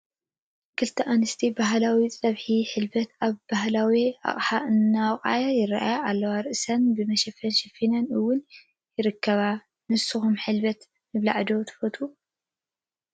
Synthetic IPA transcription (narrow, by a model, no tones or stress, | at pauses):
kʰɨlt̪ʰɐʔanɨst̪ʰibaɦlawit͡sʼɐβħiħɨlbɐt̪ʰaβbahlawia̰χʼħaʔɨnːawχʼa̰jajɪraʔa̰jaʔalːɐwaɾɨʔɨsɐnbɨmɐʃɐfɐnʃɐfinɐnɨwːʊn | jɪɾɨkʰːɐβa | nɨsɨxumħɨlbɐt̪ | nɨβlaʕd̪ot̪ʰɐ̥fot̪ʰu